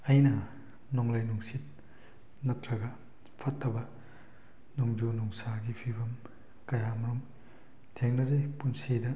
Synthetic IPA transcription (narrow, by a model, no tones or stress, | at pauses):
ɐjnɐ | nɔŋlajnuŋsit̚ | nɐtɾɐɡɐ | pʰɐtʰːɐbɐ | nuŋd͡ʒunuŋsaɡipʰibɐm | kɐjamɐɾum | tʰeŋnɐzɐjpunsidɐ